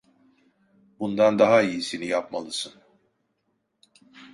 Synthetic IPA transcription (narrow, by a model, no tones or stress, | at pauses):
bund̪and̪aɦaijisinijapmalˠɯsɯn